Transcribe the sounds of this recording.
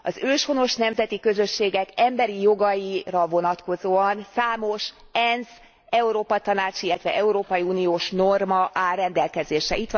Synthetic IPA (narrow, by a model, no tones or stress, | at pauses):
ɒzøːʃho̞no̞ʃnɛmzɛt̪ikø̞zø̞ʃːeːɡɛkɛmbɛɾijo̞ɡɒjirɒvo̞nɒt̪ko̞zoːɒnsaːmo̞ʃ | ɛnz | ɛuɾoːpɒt̪ɒnaːt͡ʃilːɛt̪ʋɛ̰ʔɛuɾoːpɒjiuːnijoːʃno̞rmɒʔaːrrɛnd̪ɛlkɛzeːʃɛit̪ʋ